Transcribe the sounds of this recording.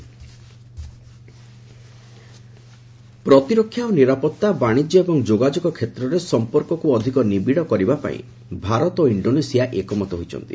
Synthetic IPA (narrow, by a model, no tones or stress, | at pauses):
pɾɔt̪iɾokʰːjaoniɾapɔt̪ːabaɽ̃id͡ʒjɔebɔŋd͡ʒoɡad͡ʒɔɡɔkʰːet̪ɾɔɾesɔmpɔɾkɔkuɔd̪ʱikɔnibiɽɔkɔɾibapa̰ḭ̃ | bʱaɾɔt̪oiɳɖonesijaʔekɔmɔt̪eɦojt͡ʃʰɔ̰nt̪ḭ